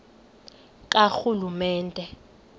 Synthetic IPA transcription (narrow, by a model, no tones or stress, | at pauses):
k̬ʼaxulumɛːntʼɛ